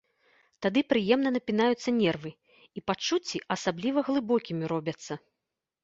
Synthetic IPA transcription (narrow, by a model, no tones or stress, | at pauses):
t̪ad̪ɨpɾɨjɛmnɐnɐpʲinajut̪sːɐnʲɛrvɨ | ipat͡ʂːut͡sʲːiʔɐsablʲivɐɣlˠɨbɔkʲimʲiɾɔbʲɐt̪sːɐ